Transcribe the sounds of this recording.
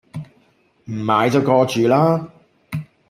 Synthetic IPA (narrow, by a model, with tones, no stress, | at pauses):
m̩˨˩maː˨˧˥jt͡sɐ˨wkɔː˧t͡ʃyː˨laː˥